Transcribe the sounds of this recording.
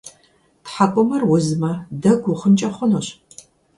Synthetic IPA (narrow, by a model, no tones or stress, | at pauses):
tħapʷʼʊmɐrwʊzɨmɐdɐɡʷʊχənt͡ʃʼɐχʷʊnoɕ